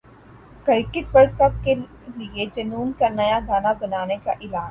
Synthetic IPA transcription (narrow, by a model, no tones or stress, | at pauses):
kɐɾɪkɪt̪ʋɐɾɖ̚kɐp̚ke | lied͡ʒɐnuːnkanɐjaɡaːnabɐnaːnekaʔɪlaːd͡ʒ